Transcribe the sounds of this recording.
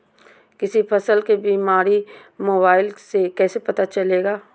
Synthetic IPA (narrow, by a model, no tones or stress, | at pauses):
kɪsipʰɐsəlkebiːmaːɾi | moːbaːɪlsekɛːsepɐt̪at͡ʃɐleːɡaː